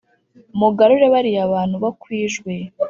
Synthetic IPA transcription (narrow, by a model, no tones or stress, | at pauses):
muɡaɾuɾeβaɾiaβaːn̥huβakwiːʒɡwe̞